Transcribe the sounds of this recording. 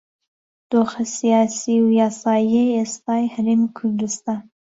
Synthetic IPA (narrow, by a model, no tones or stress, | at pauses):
d̪̥oːxɐsijɑːsiːwjɑːsɑːjejest̪ɑːjhɐɾeːmikʰʊɾd̪ust̪ɑːn